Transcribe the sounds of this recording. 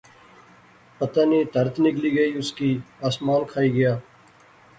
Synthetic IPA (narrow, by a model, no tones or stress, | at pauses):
pət̪aːniːt̪əɾt̪ʰnɪkliːɡəiːʊskiːaːsmaːnkʰaːiːɡɐjaː